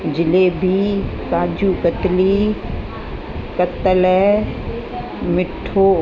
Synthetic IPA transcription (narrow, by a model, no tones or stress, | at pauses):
d͡ʒɪleːbʱikaːd͡ʒuːkət̪liː | kət̪əlɛ | mɪʈʰːoː